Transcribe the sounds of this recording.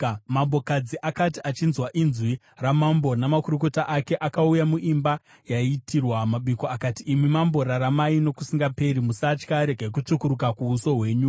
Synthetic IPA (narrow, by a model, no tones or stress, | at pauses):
mambo̞kad͡ziʔakatiʔat͡ʃinzwaʔinzwi | ramambo̞namakuɾuko̞taʔake̞ʔakaujamuʔimba | jaitʰirwamaɓikoakatiːmimambo̞ɾaɾamaino̞kusiŋɡape̞ɾimusat͡ʃkaɾe̞ɡʱak̬ut͡ʂukuɾukakuːso̞ɦwe̞ːɲu